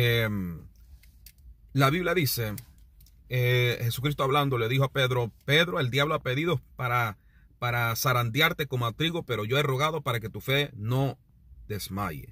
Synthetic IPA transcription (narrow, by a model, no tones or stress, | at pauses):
e | laβiβljaðise̞ | ehe̞sukɾis̬t̪oaβland̪o̞le̞ðixo̞ape̞ðɾo̞pe̞ðɾo̞e̞ld̪jaβlo̞ape̞ðiðo̞paɾa | paɾasaɾand̪jaɾt̪e̞ko̞mat̪ɾiɣo̞pe̞ɾo̞ʝo̞ero̞ɣaðo̞paɾake̞t̪ufe̞no̞ | d̪e̞sma̰jḛ